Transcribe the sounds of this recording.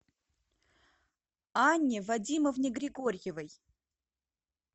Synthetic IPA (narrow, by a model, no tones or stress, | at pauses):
anʲːɪvɐdʲiməfnʲɪɡɾʲɪɡorʲjɪvəj